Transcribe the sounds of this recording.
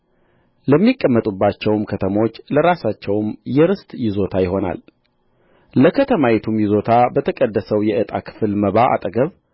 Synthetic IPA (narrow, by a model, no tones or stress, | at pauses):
ləmːikʼːəmːət̪ʼubːat͡ʃːɛwmkʰət̪ʰəmo̞t͡ʃːləɾasat͡ʃːɛwmjɛɾɨst̪ʼjɪzo̞t̪ʰajɪho̞na̰l | ləkʰət̪ʰəmajɛt̪ʰumjɪzo̞t̪ʰabət̪ʰəkʼəd̪ːəsəwjɛʔɨt̪ʼa̰kʰɨ̥fɨlməβaʔa̰t̪ʼəɡəβ